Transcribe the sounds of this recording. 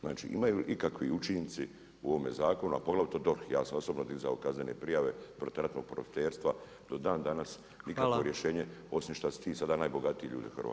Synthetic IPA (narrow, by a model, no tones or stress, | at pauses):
zna̰ːt͡ʃḭʔḭmajuːʔikakʋiut͡ʃint̪si | uo̞ʋomezaːko̞nua̰po̞ɡlaʋit̪od̪o̞ɾxja̰ːsamo̞sobnod̪izaokazne̞nḛpɾijaʋe̞pɾot̪aɾat̪no̞ɡ̚pɾo̰fi̥t̪e̞ːɾst̪ʋa | d̪̥o̞d̪aːnd̪anas | nikaʋo̞ɾje̞ʃe̞ːɲeo̞simʃt̪asi̥t̪iːsad̪aːnaːjbo̞ɡat̪ieʎṵːd̪ixrʋa̰